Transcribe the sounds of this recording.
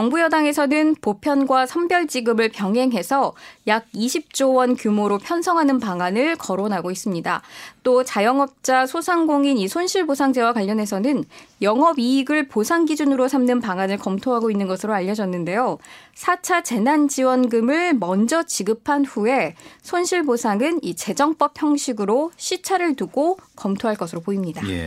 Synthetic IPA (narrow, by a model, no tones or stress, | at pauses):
jʌŋbujʌdaŋe̞sʰʌnɯnpopʰjʌnɡwasʰʌmbjʌɭd͡ʑiɡɯmɯɭpjʌŋɦe̞ŋɦe̞sʰʌjaɡ̚iɕʰip̚t͡ɕ͈owʌnkjumoɾopʰjʌnsʰʌŋɦanɯnpaŋanɯɭkʌɾonɦaɡois͈ɯmɲida̰t͈ot͡ɕajʌŋʌp̚t͡ɕ͈asʰosʰaŋɡoŋinisʰonɕʰiɭbosʰaŋd͡ʑewakwaʎːʌnɦe̞sʰʌnɯnjʌŋɦʌbiːɡɯɭposʰaŋɡid͡ʑunɯɾosʰamnɯnpaŋanɯɭkʌmtʰoɦaɡoinːɯnɡʌsʰɯɾoaʎːʌd͡ʑʌnːɯnde̞josʰat͡ɕʰat͡ɕe̞nand͡ʑiwʌnɡɯmɯɭmʌnd͡ʑʌt͡ɕiɡɯpʰanɸue̞sʰonɕʰiɭbosʰaŋɯnit͡ɕe̞d͡ʑʌŋp͈ʌp̚ʰçjʌŋɕʰiɡɯɾoɕʰit͡ɕʰaɾɯɭtuɡokʌmtʰoɦaɭk͈ʌsʰɯɾopoimɲida